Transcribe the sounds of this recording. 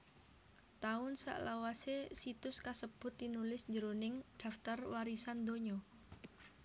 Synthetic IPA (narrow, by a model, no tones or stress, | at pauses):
t̪aʊnsa̰ʔlawasesit̪ʊskasəb̥ʊ̤t̪̚ːinulɪsɲd͡ʒəɾunɪŋd̪̥a̤ft̪arwaɾisand̪oɲɔ